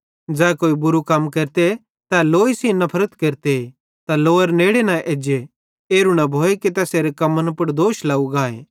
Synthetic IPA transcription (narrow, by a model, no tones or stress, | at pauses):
d͡zɛːkoːibʊɾukɐmkɐɾt̪e | t̪ɛloːisĩnɐpʰɐɾət̪kɐɾt̪e | t̪aloːəɾneːɽenɐʔeːd͡ʒe | eːɾunɐbʱoːeket̪ɛːseːɾekɐmənpʊɽ̃d̪oːʃlaːuɡaːḛː